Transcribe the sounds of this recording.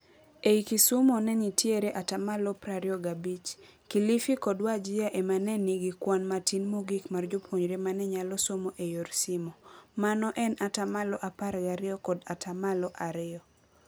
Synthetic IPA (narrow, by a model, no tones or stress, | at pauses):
eikisomɔnɛɲitjeɾeʔatamalɔpɾaɾɪɔɡabit͡ʃkilifikɔdwad͡ʒɪjaʔemanɛniɡikwanmatinmoɡikmard͡ʒopʰwoɲɾemanɛɲalɔsomoʔejoɾsimɔmanɔʔɛnatamalɔʔapaɾɡaɾɪɔkɔdatʰamalɔʔaɾɪɔ